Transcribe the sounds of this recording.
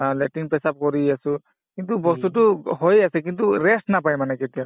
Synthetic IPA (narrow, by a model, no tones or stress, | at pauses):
lɛtinpɛsap̚kɔɾiasu | kint̪ubɔst̪ut̬ʊɦojasɛk̬int̪uɾɛstnapajmanɛkɛtia